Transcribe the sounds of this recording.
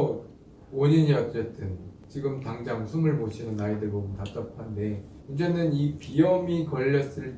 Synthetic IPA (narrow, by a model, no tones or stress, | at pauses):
oɲiɲiʌtʌt͈ɯnt͡ɕiɡɯmtaŋd͡ʑaŋsʰumɯɭmot͡ɕʰinɯnaidɯbomɯntat͈ʌpʰande̞ | und͡ʑenɯnipijʌmikʌʎːʌs͈ɯɭ